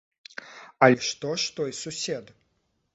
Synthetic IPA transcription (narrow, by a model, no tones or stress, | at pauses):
ɐlʲɛʂt̪ɔʂt̪ɔjsusʲɛd̪